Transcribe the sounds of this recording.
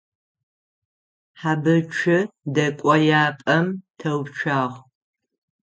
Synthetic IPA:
ħabɨt͡ʃʷʰɪdɐkʷʼɔjaːpʼɐmtʰɐwt͡ʃʷʰaːʁ

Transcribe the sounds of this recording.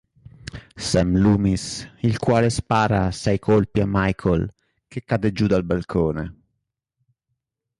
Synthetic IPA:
sɛmluːmisilkwaːlespaːɾasajkʰolpiamːajkʰol | kekːad̪ed͡ʒud̪albalkʰoːnḛ

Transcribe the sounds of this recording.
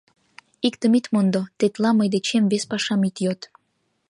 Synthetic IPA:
ikt̪əmit̪mond̪ot̪et̪lɑməjd̪et͡ɕemβespɑʃɑmit̪jot̪

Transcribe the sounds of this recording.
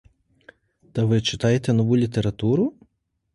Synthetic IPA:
t̪ɐʋɪt͡ʃɪ̥t̪ɑjet̪ɛnɔʋulʲit̪eɾɐt̪uɾʊ

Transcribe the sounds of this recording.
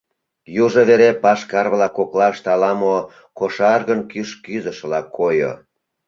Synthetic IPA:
juʒoβeɾepɑʃkɑrβlɑkoklɑʃt̪ɑlɑmo | koʃɑrɣənkyʃkyzəʃəlɑkʰojo̰

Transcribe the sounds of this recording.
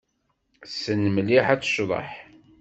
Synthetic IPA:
sənmliħæt͡sːə̥ʃðˤə̰ħ

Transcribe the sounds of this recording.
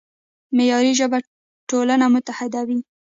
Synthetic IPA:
mejɑɾiʒəba | ʈolanamʊt̪ahɪd̪awi

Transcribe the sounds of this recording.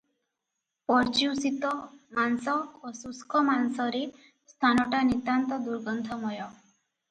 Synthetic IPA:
pɔɾt͡ʃiwsit̪ɔmansɔosuskʰɔmansɔɾe | st̪ʰanɔʈanit̪ant̪ɔd̪uɾɡɔnd̪ʰʱɔmɔjɔ

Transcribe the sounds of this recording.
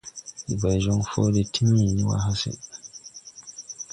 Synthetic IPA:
ʔibajd͡ʒɔnfoːdɛtʰimːiniwa̰ɦasɛ̰

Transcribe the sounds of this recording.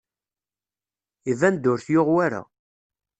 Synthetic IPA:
ivænd̪ʊɾθjoʁwaɾa̰

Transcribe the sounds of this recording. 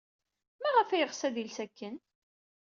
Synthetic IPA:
mæʁəfæjəʁsæðilsækːən

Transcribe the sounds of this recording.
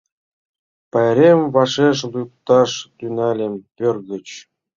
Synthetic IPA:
pɑjɾʲemvɑʂeʂlup̚t̪ɑʂt̪ynɑlʲemʲpʲørɣə̆t͡ɕ

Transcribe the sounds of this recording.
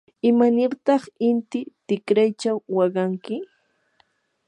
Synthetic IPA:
ɪmanɪɾt̪ɑχɪnt̪ɪt̪ɪkɾajt͡ʃawːɑɢɑŋkɪ

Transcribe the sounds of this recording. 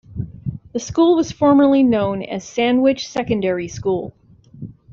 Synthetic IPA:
ðɨskulˠwʌz̥fɔɹmə˞linõʊ̃nɨ̰z̥sæ̃nwɪt͡ʃsɛkɨ̃ndɛɹiskulˠ

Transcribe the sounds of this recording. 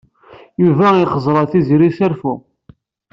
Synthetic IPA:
juvæiχəzˤɾˤɑθizɾisæɾfu

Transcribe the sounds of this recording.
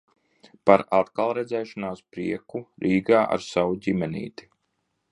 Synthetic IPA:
paɾat̪kalˠɾɛd̪zɛːʃanaːspɾḭɛkuɾiːɡaːʔa̰ɾsawuɟʲimɛnḭːt̪i̥

